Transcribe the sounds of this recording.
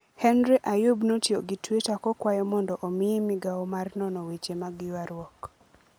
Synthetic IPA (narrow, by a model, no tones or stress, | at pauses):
hɛnɾeʔajubnotjoɡɪtwetakɔkwajɔmɔndɔʔomɪemɪɡawɔmarnɔnɔwet͡ʃemaɡjwaɾwɔk